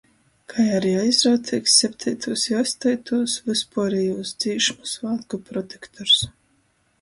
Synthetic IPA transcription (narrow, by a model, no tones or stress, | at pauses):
kʰajaɾiajzɾawt̪sʲiksʲːɛp̚ʲt̪ʰʲɛjt̪ʰuːsjɔsʲt̪ɛjt̪uːsvɨspuɔɾɛjuːsd̪z̥iːʃmusvaːt̪ɡupɾɔt̪ekt̪ʰɔɾs